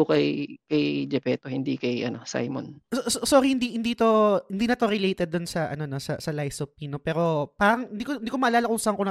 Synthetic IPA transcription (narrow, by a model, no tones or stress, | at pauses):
ʊkɐjkɐjd͡ʒɛpɛːt̪ohɪnd̪ikɐjʔɐno̞sa̰jmo̰nsososoːɾihɪnd̪ihɪnd̪iːt̪o̞hɪnd̪iːnɐt̪oɾɛlejt̪ɛd̪ːʊnsɐʔɐno̞no̞sɐ̰sɐlajsopːinopɛːɾo̞paːɾɐŋhɪnd̪ikoɪnd̪iːkomɐʔɐlaːlɐkʊŋsɐŋkonɐ